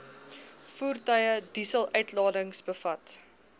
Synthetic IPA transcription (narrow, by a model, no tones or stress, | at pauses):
fuːrtœjədisəlˠʔœɥtlɑːdəŋsbəfɐt